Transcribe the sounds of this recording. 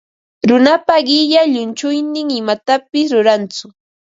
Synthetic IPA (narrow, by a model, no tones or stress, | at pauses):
ɾʊnapaɢɪʎaʎʊnt͡ʃʊjnɪŋɪmat̪apɪsɾʊɾant͡sʊ